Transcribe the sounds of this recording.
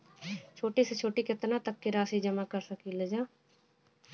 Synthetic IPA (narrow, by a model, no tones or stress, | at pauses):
t͡ʃʰoːʈiːst͡ʃʰoːʈiːkɪt̪naːt̪əkːɪɾaːsiːd͡ʒəmaːkəɾsəkiːləd͡ʒãː